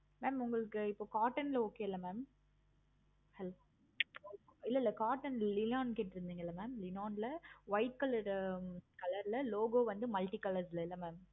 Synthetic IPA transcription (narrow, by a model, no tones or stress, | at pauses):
meːmʊŋɡɐɭɯkːɯɪpːoːkaːɾʈɐnlɐoːkːeːɪlːɐmeːm | ɛlː | ɪlːɐɪlːɐkaːʈɐnlɪnaːnkeːʈːɪɾɯnd̪iːŋɡɐɪlːɐmeːmlɪnaːnlɐʋɐɪʈ̚kɐlɐɾkɐlɐɾlɐloːɡoːʋɐnd̪ɯmɐlʈikɐlɐɾsɪlɐɪlːɐmeːm